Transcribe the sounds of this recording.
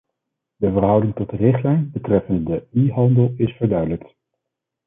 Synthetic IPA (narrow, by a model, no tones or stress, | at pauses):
dəvəɹɦʌwdɪŋtɔtərɪχtlɛjnbətrɛfənddəyɦɑndəlˠɪsfəɹdœɥdələkt